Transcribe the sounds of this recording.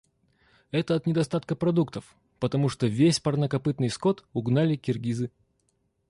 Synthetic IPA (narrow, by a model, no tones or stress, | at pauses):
ɛt̪əɐt̪nʲɪd̪ɐst̪at̪kəpɾɐd̪ukt̪əf | pət̪ɐmuʂt̪ovʲesʲpɐrnəkɐpɨt̪nɨjsko̞t̪ʊɡnalʲɪkʲɪrɡʲizɨ